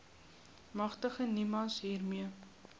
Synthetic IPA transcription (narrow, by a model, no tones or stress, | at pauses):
mɐχtəχənimɐlsɦiːrmiə